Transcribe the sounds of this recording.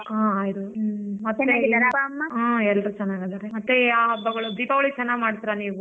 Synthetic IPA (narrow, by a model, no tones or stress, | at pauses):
aaːjid̪umɐt̪nːeaɡid̪aɾpamːaaɛlːɐɾut͡ʃɛnːaːɡɐd̪ɐɾemɐt̪ːeaːɦɐbːɐɡɐɭub̪ʱiːpɐʋɐɭit͡ʃɛnːaːɡmaːɽt̪iɾaniːʋu